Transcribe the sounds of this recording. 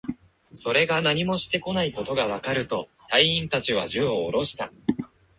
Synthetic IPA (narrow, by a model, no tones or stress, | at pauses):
so̞ɾe̞ɡanaɲ̟imo̞ɕi̥t̪e̞ko̞naiko̞t̪o̞ɡaβ̞akaɾɯ̟t̪o̞t̪aiĩnt̪at͡ɕiβ̞a̰ʑɨoːɾo̞ɕi̥t̪a̰